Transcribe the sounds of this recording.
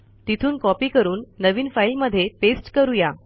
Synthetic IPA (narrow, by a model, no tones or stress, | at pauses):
t̪it̪ʰuːnkɔpiːkəɾuːnːəʋiːnfailməd̪ʱːjepesʈkəɾuja